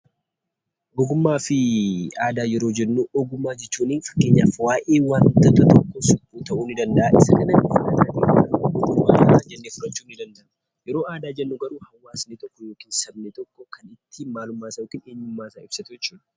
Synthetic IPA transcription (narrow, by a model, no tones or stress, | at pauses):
bʊɡʊmːaːfɪaːd̪aːjɛɾo̞ːd͡ʒɛnːuːɔɡʊmːaːd͡ʒɛt͡ʃːuːniːnfɐ̥kːeːɲːa̰ːfwaːʔeːwaːnt̪ɐt̪ɐt̪ɔkːosʊbuːt̪ɐʔuːnɪd̪ɐnd̪ɐʔaʔɪsɐkɐnɐɪɐɐd̪aːt̪ḛːkːnɐbʊɡʊmːa̰ːad͡ʒɛnːefʊɾɐt͡ʃːuːnɪd̪ɐnd̪ɐʔɐ | jɛɾo̞ːʔaːd̪aːd͡ʒɛnːuɡɐɾuːhɐwːaːsnet̪ɔkːɔjoːkiːnsɐbnet̪ɔkːɔkʰɐnɪt̪ʰːimaːlʊmːaːsɐjoːkiːneːɲːʊmːaːsaːɪb̥sɐt̪ʊd͡ʒɛt͡ʃːuːd̪ɐ̥